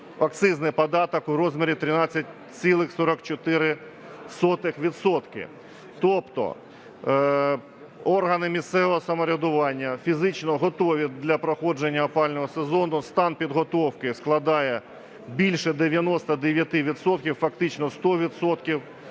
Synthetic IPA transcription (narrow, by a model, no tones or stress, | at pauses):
ɐk̚t̪sɪznɪpɐd̪ɑt̪ɔkʊɾɔzmʲɪɾʲit̪ɾɪnɑt͡sʲːɐt̚ʲ | t͡s̪ʲilˠɪxsɔɾɔkt͡ʃɔt̪ɪɾɪ | sɔt̪ɪxʋʲid̪sɔt̪kɪ̰ | t̪ɔpt̪ɔ̰ | ɔrɦɐnɪmʲist̪sɛʋɔɦɔsɐmɔɾʲɐd̪ʊʋɑnʲːɐfʲizɪt͡ʃnɔɦɔt̪ɔʋʲid̪lʲɐpɾɔxɔd͡ʒenʲːɐɐpɑlʲnɔɦɔsezɔnʊst̪ɑnpʲid̪ɦɔt̪ɔwkɪsklˠɐd̪ɑjɛ | bʲilʲʃɛd̪eʋʲjɐnɔst̪ɐd̪eʋʲjɐt̪ɪʋʲid̪sɔt̪̚kʲiwfɐk̚t̪ɪt͡ʃnɔst̪ɔʋʲid̪sɔt̪kʲiw